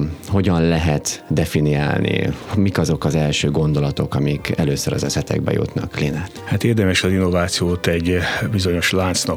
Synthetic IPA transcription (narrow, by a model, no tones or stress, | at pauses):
ho̞ɟɒnlɛɦɛt̪d̪ɛfinia̰ːlnḭmikɒzo̞kɒzɛlʃøːɡo̞nd̪o̞lɒt̪o̞kɒmikɛløːsøɾɒ̰zɛsɛt̪ɛ̰ɡ̚bɛ̰jṵt̪nɒ̰klinaːt̪hat̪eːrd̪ɛmɛʃɒzinːovaːt̪sijoːt̪ɛɟbizo̞ɲo̞ʃlaːnt̪snɒ